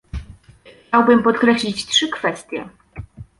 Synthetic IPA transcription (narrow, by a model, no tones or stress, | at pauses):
xt͡ɕawbɘmpɔt̪kɾɛɕlʲit͡ɕtʂɘkfɛst̪ʲjɛ̰